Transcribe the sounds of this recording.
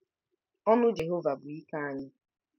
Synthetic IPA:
ɔ˦nʊ˦d͡ʒe˨ɦo˦va˨bʊ˨i˦ka˦a˦ɲɪ˦

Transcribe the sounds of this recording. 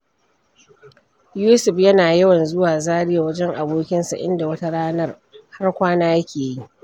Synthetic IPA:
juː˦sʊ˨ɸjɐ˦naː˨jɐ˦wɐ˨nzʊ˦waː˨zaː˦ɽɪ˦ja˨wɐ˦d͡ʒɛ˦ŋʔa˨boː˦kʲɪ˦nsa̰˨ʔɪ̰˦nda˨wɐ˦ta˦ɽaː˦nɐ˦r | ha˦rkʷaː˦naː˦jɐ˦kʲeː˨jji˦ʔ

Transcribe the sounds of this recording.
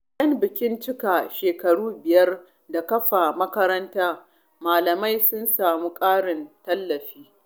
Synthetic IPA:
ʔjɐ˦mbɪ˨kʲɪ˦nt͡ʃɪ˦ka˨ʃeː˨kɐ˨ɽuː˦bɪ˨jɐ˦r | da˨kɐ˦ɸa˨mɐ˦kɐ˦ɾɐ˦ntaː˦ | maː˨lɐ˨ma˦jsʊ˦nsaː˨muː˦kʼaː˦ɽɪ˨ntɐ˦lːɐ˨ɸiː˦

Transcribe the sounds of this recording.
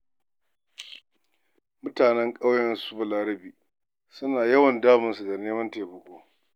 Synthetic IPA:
mʊ˦taː˨nɛ˦ŋkʼa˦wjɛ˨nsu˦bɐ˨laː˨ɾɐ˦biː˨ | sʊ˦naː˨jɐ˦wɐ˨ndaː˦mɐ˨nsu˨ɡa˨neː˦mɐ˦nteː˨bɐ˨kʷʼoː˦

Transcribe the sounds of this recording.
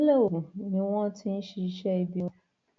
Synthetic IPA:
le˦o˨ũ˨nĩ˨wɔ̃˦tʰĩ˦n̩˦ʃi˨˦ʃɛ˦i˦bi˦ɔ̃˦

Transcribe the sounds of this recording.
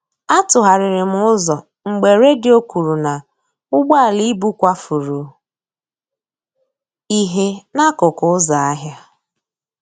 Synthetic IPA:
a˦tʊ˨ɦa˨ɾɪ˨ɾɪ˨m̩˦ʊ˦zɔ˨ | ŋ͡m̩˨ɡ͡be˨ɾe˦dɪ˦o˦kʷu˨ɾu˨na˨ | ʊ˦ɡ͡ba˦a˨li˦bu˦kʷa˦fu˨ɾu˨ | i˦ɦe˦na˦kʊ˨kʊ˦za˨a˦ɦja˦

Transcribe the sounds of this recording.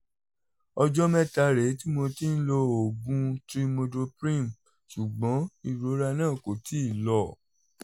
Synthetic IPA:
ɔ˧d͡ʒɔ˦mɛ̃˦ta˧ɾe˨˦ti˦mo˧ti˦n̩˦lo˧o˨ɡũ˦tɾi˦mo˧do˧pɾĩ˦˨m | su˨ɡ͡bɔ̃˨˦i˦˨ɾo˨˦ɾa˧nãː˦˨ko˨ti˨˦i˦˨lɔ˦˨

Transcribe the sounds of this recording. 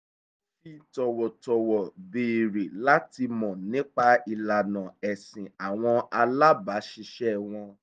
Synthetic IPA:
fi˦tɔ˨wɔ˨tɔ˨wɔ˨be˨ɾe˨la˦ti˧mɔ̃˨nĩ˨˦k͡pa˧i˧la˨nã˨ɛ˨sĩ˨a˨w̃ɔ̃˧a˧la˦ba˨˦ʃi˧ʃɛ˦w̃ɔ̃˧

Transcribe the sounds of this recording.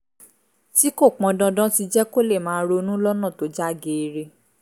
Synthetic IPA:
ti˦ko˦˨k͡pɔ̃˧dɔ̃˧dã˦ti˧d͡ʒɛ˦ko˦˨le˦˨mãː˨˦ɾo˧nũ˦lɔ˦nã˦˨to˨˦d͡ʒa˦˨ɡe˨˧ɾe˧

